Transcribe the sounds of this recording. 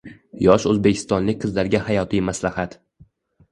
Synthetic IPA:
jɒʃɵzbe̞kʲʰɪ̥st̪ɒnlɪk̚ʲqʰɨzlaɾɡʲahajɒt̪ʰijmaslahat̪

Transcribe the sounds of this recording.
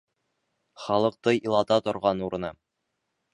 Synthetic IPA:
χɒlˠɤ̆q̚t̪ɤjilˠɑt̪ɑt̪ŏɾʁɑnuɾɤ̆nɑ

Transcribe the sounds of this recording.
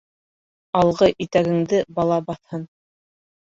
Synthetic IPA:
ɑlˠʁɤʔit̪æɡɘ̆ŋd̪ɘbɑlˠɑbɑθhɤn

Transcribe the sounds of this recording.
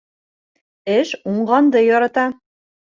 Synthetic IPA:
ɘʃuɴʁɑnd̪ɤ̆jɒɾɑt̪ɑ

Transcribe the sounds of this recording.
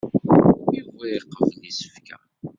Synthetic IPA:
juvæjqːəvənisə̥fkæ̰

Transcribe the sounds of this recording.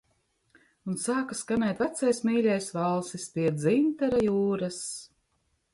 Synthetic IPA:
unsaːkaskanɛjt̪væt̪sajsmiːlʲɛjsvalˠsispʲiɛd̪zint̪aɾajuːɾas

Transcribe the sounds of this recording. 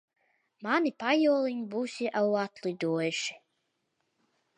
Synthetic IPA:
manipajuɔlˠiɲbuːsʲiʔawat̪lˠid̪uɔjʃi̥

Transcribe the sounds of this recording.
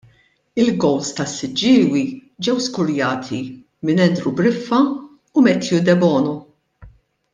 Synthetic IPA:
ɪlɡɔwst̪ɐsːɪd͡ʒːɪːwid͡ʒɛwskʊɾjɐːt̪ʰi | mɪnɛnd̪ɾubɾɪfːɐ | ʊmɛt̪jud̪ɛbɔːnɔ

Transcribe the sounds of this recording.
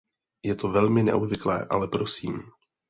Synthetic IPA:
jɛt̪o̞vɛlmɪnɛ̰ʔobvɪklɛ̰ːʔa̰lɛpɾo̞siːm

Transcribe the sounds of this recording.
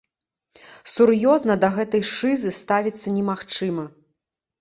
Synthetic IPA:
suɾjɔznɐd̪ɐɣɛt̪ɐjʂɨzɨst̪avʲit̪sːɐnʲɛmaxt͡ʂɨmɐ

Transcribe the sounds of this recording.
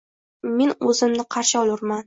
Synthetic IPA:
me̞nɵzɪmnɪqʰɑɾʃɪɒlˠʊɾman

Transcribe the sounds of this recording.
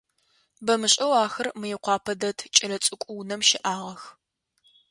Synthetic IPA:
bɐmɨɕʼɐwaːxɐrmɨjɪqʷɑːpʰɐdɐtʰt͡ʃʼɐlɐt͡sʼɨkʷʼʊwnɐmʃɪʔaːʁɐx

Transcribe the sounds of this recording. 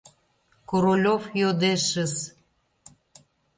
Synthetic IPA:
koɾolʲofjod̪eʃəs

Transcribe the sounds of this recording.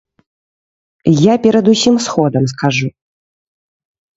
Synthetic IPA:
japʲɛɾɐd̪usʲimsxɔd̪ɐms̬kaʐu

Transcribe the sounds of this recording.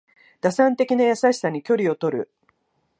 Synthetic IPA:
d̪̥asãnt̪e̞kʲinajasaɕi̥saɲ̟ikʲo̞ɾʲio̞t̪o̞ɾɯ̟̰

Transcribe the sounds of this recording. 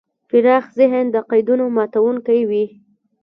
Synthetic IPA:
fɪɾɑxzɪɦənd̪əqajd̪unomɑt̪awuŋkajwi

